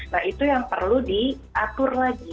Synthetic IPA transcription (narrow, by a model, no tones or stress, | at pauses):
nahit̪ujaŋpərludi | ʔat̪ʊrlaɡi